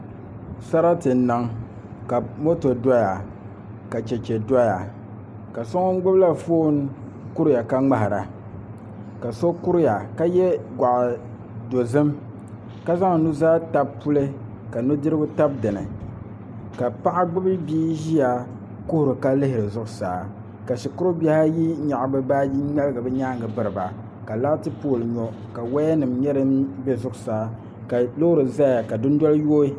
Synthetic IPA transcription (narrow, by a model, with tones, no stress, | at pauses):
sa˦ɾa˦tɨ˨n̩˦na˨ŋ | ka˨mo˦to˨da˦ja˨ | ka˨t͡ʃɛ˨t͡ʃɛ˨da˦ja˨ | ka˨so˦ŋ˦ŋ˦ɡ͡bʊ˦bla˦foː˦n | ku˦ɾɪ˦ja˨ka˦ŋ͡ma˦ha˨ɾa̰˨ | ka˨so˦ku˦ɾɪ˦ja˨ka˦jɛ˦ɡʷa˨ʔ | do˨zɨ˦m | ka˦za˦ŋ˨nu˦zaː˦ta˦bpu˦lɨ˦ | ka˨nu˦dɨ˦ɾɨ˦ɡʊ˦ta˦b̚dɨ˨nɨ̰˨ | ka˨pa˦ʔa˦ɡ͡bʊ˦bɨ˦biː˦ʒi˦a˨ | kʊ˦hʊ˨ɾɨ˨ka˦lɨ˦hɪ˨ɾɨ˨zʊ˦ʔʊ˦saː˨˦˨ | ka˨ʃi˨kʊ˦ɾo˦bʲa˦ha˦ji˦ɲa˨ʔbɨ˦baː˦ji˦ɲɛ˦lɨ˦ɡɨ˨bɨ˦ɲaː˦ŋɡɨ˨bɨ˨ɾɨ˨ba˨ | ka˨la˦tɨ˦poː˦˨lɨ˨ɲɔ˨ | ka˨wa˦nɨ˨mɲɛ˦ɾɨ˦mbɛ˦zʊ˦ʔʊ˨saː˨˦ | ka˨lo˦hʊ˦ɾɨ˨za˦a˨ka˨dʊ˦n˦dɔ˦ljoː˦i˦